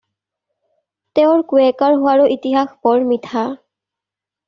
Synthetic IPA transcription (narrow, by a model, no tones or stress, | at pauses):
tɛʊɹkuɛkaɹɦʊwaɹʊʔitiɦaxbɔɹmitʰa